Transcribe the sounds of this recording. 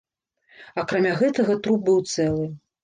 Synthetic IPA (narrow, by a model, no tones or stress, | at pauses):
ɐkɾamʲaɣɛt̪ɐɣɐt̪ɾup̚bɨwt̪sɛlˠɨ